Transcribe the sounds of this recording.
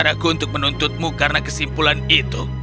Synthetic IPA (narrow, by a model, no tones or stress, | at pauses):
aɾakuunt̪ʊk̚mənunt̪ʊt̪̚mukarnakəsimpulanit̪u